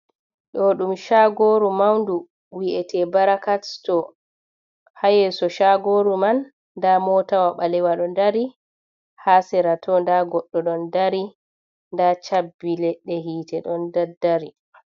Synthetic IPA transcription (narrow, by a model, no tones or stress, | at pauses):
ɗɔɗumʃaɡoɾumawndu | wiʔɛtʰɛbaɾakattɔ | hajɛsɔʃaɡoɾumanː | damɔtawaɓalɛwaɗɔndaɾi | hasɛɾatʰɔndaɡɔɗːɔɗɔndaɾi | ndat͡ʃabːilɛɗːɛɦiːtɛɗɔndadːaɾi